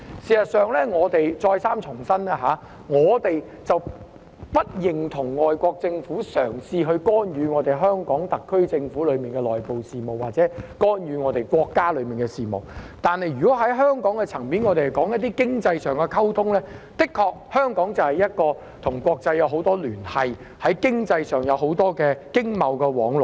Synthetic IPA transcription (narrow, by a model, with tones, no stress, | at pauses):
siː˨˩sɐ˨t̚sœː˨ŋlɛː˥ŋɔː˨˧t̪e˨jt͡sɔː˧jsaː˥mt͡ʃʰʊ˨˩ŋsɐ˥na˧ɦaː˨˧ | ŋɔː˨˧t̪e˨j | t͡sɐ˨w | pɐ˥t̚jɪ˨ŋt̪ʰʊ˨˩ŋŋɔː˨jkʷɔː˧k̚t͡sɪ˧ŋfuː˨˥sœː˨˩ŋsiː˧ɦɵ˧ɥkɔː˥njyː˨˧ŋɔː˨˧t̪e˨jɦœː˥ŋkɔː˨˥ŋt̪ɐ˨kʰːɵ˥ɥt͡sɪ˧ŋfuː˨˥lɵ˨˧ɥmiː˨˩nkɛ˧lɔː˨jpo˨wsiː˨mo˨˩waː˨t̚t͡sɛː˨˥kɔː˥njyː˨˧ŋɔː˨˧t̪e˨˩jkʷɔː˧kːaː˥lɵ˨˧ɥmiː˨nkɛ˧siː˨mo̰˨˩w̚t̪aː˨nhɐ˨jɥy˨kɔː˨˥ɦɐ˨˥jɦœː˥ŋkɔː˨˥ŋkɛ˧t͡sʰɐ˨˩ŋmiː˨˥nŋɔː˨˧t̪e˨˩hɐ˨˩jkɔː˨˥ŋjɐ˥t̪iː˥kɪ˥ŋt͡sɐ˧jsœː˨ŋkɛ˧kʰɐ˥wt̪ʰʊ˥ŋlɛː˥t̪ɪ˥kʰːɔː˧k̚hœː˥ŋkɔː˨˥ŋt͡sɐ˨whɐ˨jɐ˥t̚kɔː˧ | t̪ʰʊ˨˩ŋkʷɔː˧k̚t͡sɐ˧jːɐ˨˧wɦo˧˥wt̪ɔː˥lyː˨˩nhɐ˨j | hɐ˨˥jkɪ˥ŋt͡sɐ˧jsœː˨˩ŋjɐ˨˧wɦo˨˥wt̪ɔː˥kɛː˧kɪ˥ŋmɐ˨˧wkɛː˧wɔː˨˥ŋlɔ˨˩